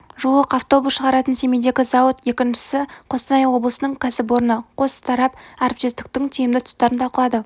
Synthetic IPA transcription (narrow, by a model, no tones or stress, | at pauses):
ʒuəqɑft̪o̞busʃəʁɑɾɑt̪ənse̞mejd̪e̞ɡʲɪzɑwət̪je̞kʲɪnʃɪ̥sɪqʰo̞st̪ɑnɑjwo̞blˠəsənəɴkʲʰɑsɪp̬wo̞ɾənəqʰo̞st̪ʰɑɾɑpɑɾp̚t̪est̪ɪ̥k̚t̪ɪŋt̪ʰijɪmd̪ɪt̪ʰʊ̥st̪ːɑɾənt̪ʰɑlqəlˠɑd̪ə